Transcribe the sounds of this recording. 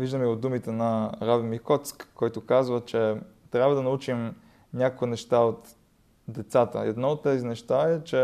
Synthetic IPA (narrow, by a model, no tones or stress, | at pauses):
viʒd̪əmiod̪d̪umit̪ɛnɐɾavimikɔt̪skːɔjt̪okazvət͡ʃɛt̪ɾʲjabvəd̪ɐnɐut͡ʃim | nʲakkinɛʃt̪aot̪ | d̪ɛt̪sat̪ə̰ɛd̪nɔot̪ːɛzinɛʃt̪aɛt͡ʃɛ